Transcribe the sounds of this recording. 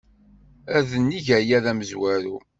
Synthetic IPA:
æðənːiʝæjæðæməzwæɾṵ

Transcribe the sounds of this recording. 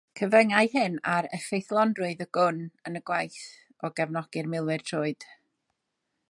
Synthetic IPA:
kʰəvəŋaɨhɨnaɾəfejθlˠɔndrʊɨðəɡ̥ʊnənəɡwajθ | ɔɡɛvnɔɡ̥ɨrmɪlˠwɨrtʰroːɨd̥

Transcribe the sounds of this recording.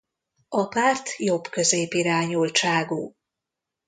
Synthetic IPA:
ɒpaːrt̪jo̞bkø̞zeːpiɾaːɲult͡ʃaːɡuː

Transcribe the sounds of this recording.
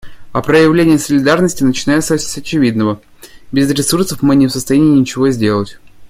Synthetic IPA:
ɐpɾəjɪvlʲenʲɪjəsəlʲɪd̪arnəsʲtʲɪnət͡ɕɪnajt̪sʲsʲɐt͡ɕɪvʲid̪nəvə | bʲɪzɾʲɪsursəfmɨnʲɪfsəst̪ɐjænʲɪːnʲɪt͡ɕɪvo̞zʲdʲe̞lˠətʲ

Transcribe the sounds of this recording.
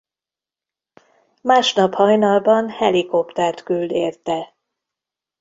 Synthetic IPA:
maːʃnɒphɒjnɒlbɒnhɛliko̞pt̪ɛrt̪kyld̪eːrt̪ɛ

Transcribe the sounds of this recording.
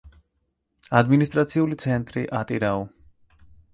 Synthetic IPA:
ad̪minis̬t̪ʼɾat̪sʰiulit̪sʰɛnt̪ʼɾiʔat̪ʼiɾaɔ

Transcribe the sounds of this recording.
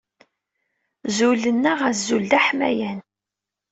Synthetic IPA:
zulənːəʁæzuld̪æħmæ̰jæn

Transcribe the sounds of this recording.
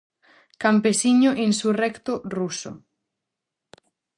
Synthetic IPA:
kampesiɲoʔinsurɛkt̪oruso̰

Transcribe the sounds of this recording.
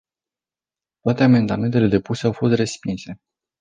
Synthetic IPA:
t̪oat̪e̞ame̞nd̪ame̞nt̪ele̞d̪e̞puse̞awfo̞st̪re̞spinse̞

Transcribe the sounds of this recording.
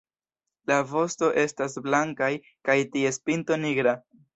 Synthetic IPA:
lavo̞sto̞ʔe̞stasblaŋkaj | kajtie̞spinto̞niɡɾa

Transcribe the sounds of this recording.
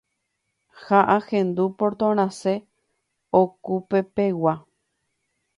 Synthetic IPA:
haʔahẽnd̪upoɾt̪õɾ̃ãse | okupe̞pewa

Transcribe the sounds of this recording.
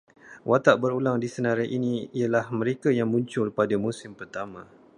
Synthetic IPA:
wat̪aʔbəɾulaŋdisənaɾaʔiniialahmə̃ɾekajaŋmũɲt͡ʃʊlpadamusɪmpərt̪amã

